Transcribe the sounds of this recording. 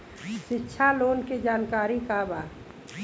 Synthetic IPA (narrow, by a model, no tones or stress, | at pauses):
ʃɪtːʃʰaloːnked͡ʒaːnkaːɾikabaː